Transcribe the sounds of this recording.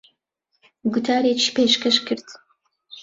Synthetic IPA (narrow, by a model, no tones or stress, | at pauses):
ɡʊt̪ʰaːɾet͡ʃipeːʃkɐʃkɨɾd̪